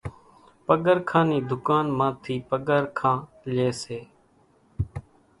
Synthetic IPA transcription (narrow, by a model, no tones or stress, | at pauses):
pəɠəɾkʰãːniːd̪ʱʊkaːnmãːt̪ʰiːpəɠəɾkʰãː | leːseː